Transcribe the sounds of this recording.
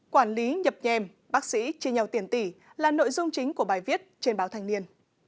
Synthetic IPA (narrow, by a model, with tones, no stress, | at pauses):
kwaː˧˩nli˨˦ɲə˨˩p̚ɲɛ˧m | ɓaː˦˥k̚sḭ˧˥t͡ɕi˧ɲə˨˩wt̪i˧˩ənt̪i˧˩laː˨˩no̰˧˨jzʊ˧ŋ͡mt͡ɕï˨˦ŋ̟ku˧˩əɓaː˨˩jvi˦˥ət̚t͡ɕe˧nɓaː˨˦wt̪ʰa˨˩jŋ̟ni˧ən